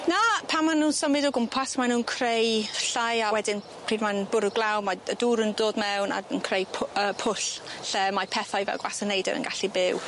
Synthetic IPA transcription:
napʰamːanuːnsəmɪdɔɡʊmpʰasmanuːnkʰrejɬajawɛdɪn | pʰriːdmanbʊɾəɡlˠawmaəduːɾəndoːdmɛwna̰nkʰrejpʰəːpʰʊɬɬɛmapʰɛθajvɛ̰lˠɡwasənejdɛ̰ɾə̰nɡaɬibɪw

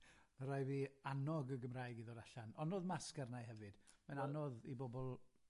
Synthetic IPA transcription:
əɾajviːanɔɡəɡəmrajɡiðɔɾaɬanɔnoːðmaskərnajɦɛvɨd̥mɛnanɔðibɔbɔlˠ

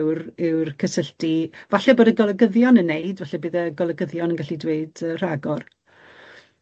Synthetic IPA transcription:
wɾɪwrkʰəsəɬtivaɬɛboːdəɡɔlˠəɡəðjɔnənːeɨdvaɬɛbɨːðəɡɔlˠəɡəðjɔnənɡaɬidweɨdər̥aɡɔr

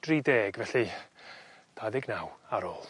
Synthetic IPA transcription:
d̥rideːɡvɛɬi | d̥aðɪɡnawaɾoːlˠ

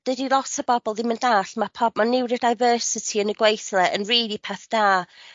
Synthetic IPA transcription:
d̥ədilˠɔsəbɔbɔlˠɪnməndaːɬmapʰɔbmanɪwɾədajvəːsɪtʰiənəɡwejθlˠɛʔənriːlˠipʰaθd̥aː

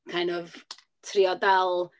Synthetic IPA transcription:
kʰajnɔv | tʰriɔdɛlˠ

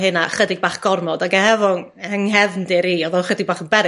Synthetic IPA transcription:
ɦɨnaχədɪɡ̚baːχɡ̥ɔrmɔdaɡɛhɛvɔn | əŋɦɛvndɪɾiːɔðɔχədɪɡ̚baːχənbɛɾ

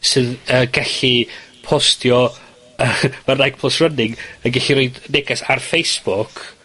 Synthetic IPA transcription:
sɨːðəɡɛɬipʰɔstʰjɔ | əmarnajk̚pʰlˠəsrənɪŋənɡɛɬiɾoɨdnɛɡasarfejsb̥ʊkʰ

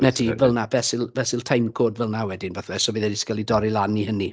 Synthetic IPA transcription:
nɛdʰivəlˠnabɛsɪlˠvɛsɪlˠtʰajmkʰoːdvəlˠnawɛdɪnbɛθwɛsɔviːðədɪskəlˠidɔɾilˠanihəni

